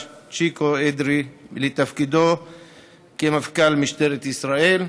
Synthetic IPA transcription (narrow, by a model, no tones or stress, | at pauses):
t͡ʃikoed̪ɾilet̪afkid̪o | kemafkalmiʃt̪eɾet̪isɾae̞l